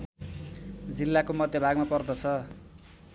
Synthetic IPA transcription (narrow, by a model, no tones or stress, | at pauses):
d͡zilːakomʌd̪ʱjʌbʱaɡmapʌrd̪ʌt͡sʰʌ